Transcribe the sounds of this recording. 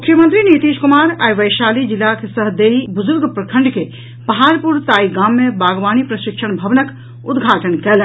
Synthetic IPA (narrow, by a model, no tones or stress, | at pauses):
mʊkʰjəmə̃nt̪ɾiniːt̪iːʃkʊmaːɾajʋɐjʃaːlid͡ʒɪlːakesəɦd̪eːibʊd͡ʒʊɾɡpɾəkʰə̃ɳɖke | pɐɦaːɾpuɾt̪aːiɡaːmːẽbaːɡʋaːnipɾɐʃɪkʃəɽ̃bʱɐʋnək | ʊd̪ɡʱaːʈənkɛːlɛ